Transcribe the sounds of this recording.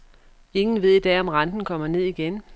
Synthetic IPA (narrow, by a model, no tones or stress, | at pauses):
e̝ŋn̩ʋe̝ð̞̰ˠid̥ɛ̰ːɒ̽mʁɑ̈nd̥n̩kʰɒ̽m̰ɐne̝ð̞̰ˠiɡ̥en